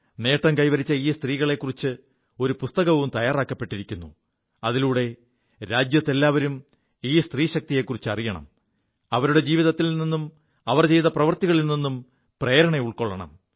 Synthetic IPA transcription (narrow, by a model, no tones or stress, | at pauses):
ne̞ːʈːɐmkɐjʋɐɾit͡ɕːɐiːst̪riːɣɐɭe̞kːurit͡ɕːɨ | o̞ɾupust̪ɐɣɐʋumt̪ɐjaːraːkːɐpːe̞ʈːiɾikʲːunːu | ɐðiluːɽe̞ | ɾaːd͡ʑjɐt̪ːe̞lːaːʋɐɾum | iːst̪riːɕɐk̚t̪ije̞kːurit͡ɕːɨɐrijɐɳɐ̰m | ɐʋɐɾuɽe̞d͡ʑiːʋiðɐt̪ːilnninːum | ɐʋɐrt͡ɕe̞jt̪ɐprɐʋɐrt̪iɣɐɭilninːum | pre̞ːɾɐɳeuɭkoɭːɐɳɐ̰m